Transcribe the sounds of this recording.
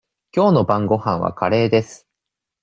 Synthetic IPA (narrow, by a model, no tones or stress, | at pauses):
kʲo̞ːno̞bãŋɡo̞hãɰ̃βa̰kaɾe̞ːd̪e̞sɨ̥